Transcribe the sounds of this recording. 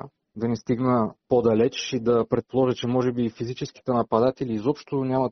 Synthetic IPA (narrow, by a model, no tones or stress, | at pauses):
d̪ɐnist̪iɡnəpod̪ɐlɛt͡ʃid̪ɐpɾɛt̪̚polˠɔʒɛt͡ʃɛmɔʒɛbifizit͡ʃɛsk̟i̥t̪ɛnɐpɐd̪at̪ɛlʲiːzɔpʃt̪onʲamɐ